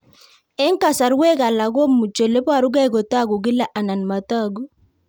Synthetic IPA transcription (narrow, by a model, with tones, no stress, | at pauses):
ɪ˦ŋka˨sa˨ɾwe˦ka˨la˨ɡo˦mːu˨t͡ʃo˨le˦pwa˦˨ɾu˦ɡa˦˨ɡo˨ta˦ɡu˨ɡi˦la˦ʔa˨na˨nma˨ta˦˨ɡu˦